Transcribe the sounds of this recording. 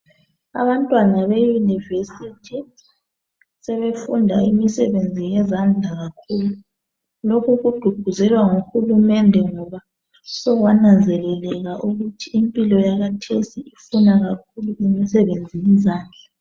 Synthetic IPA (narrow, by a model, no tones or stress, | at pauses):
a̰βantʼwanaβejunivesitʰi | sɛβefundʱa̰imisɛβend͡zʱijɛzand͡ɮʱaɣakʰuːlu | lokʰuɣuɡ͡ǃ̥ʱuɡ̥ʱuzɛlwaŋuxulumɛndʱɛŋɔβa | sɔɣwanand͡zʱɛlɛlɛɣaʔuɣutʰiimpʼilɔjaɣatʰesiifunaɣak̚ʰuluimisɛβend͡zʱijizaːnd͡ɮʱa